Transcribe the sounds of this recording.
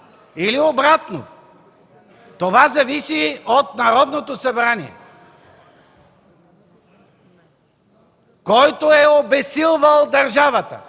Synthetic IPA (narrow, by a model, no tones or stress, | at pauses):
iliobɾat̪no̰ | t̪ovazɐvisiot̪nɐɾɔd̪not̪osɐbɾaniɛ̰ | kɔjt̪oɛobɛsilˠvəlˠd̪ɐɾʒavət̪ə̰